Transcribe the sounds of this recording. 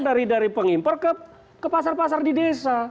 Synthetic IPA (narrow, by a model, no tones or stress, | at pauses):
daɾidaɾipəŋimpərkəp̚ | kəpasarpas̬ardidesa